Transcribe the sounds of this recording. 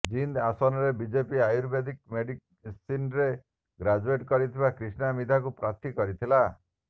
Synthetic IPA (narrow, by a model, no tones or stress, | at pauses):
d͡ʒind̪asɔnɔɾebid͡ʒepiajuɾbed̪ik̚meɖik | sinɾe | ɡɾad͡ʒueʈkɔɾit̪ʰibakɾisnamid̪ʱakupɾat̪ikɔɾit̪ʰila